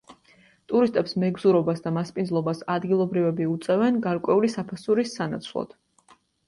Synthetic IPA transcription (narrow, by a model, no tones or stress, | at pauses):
t̪ʼuɾist̪ʼɛpsmɛɡzuɾɔbasd̪amaspʼindzlˠɔbasad̪ɡilˠɔbɾivɛbiut̪sʼɛvɛnɡaɾkʼwɛulisapʰasuɾisːana̰t̪sʰlˠɔ̰d̪̥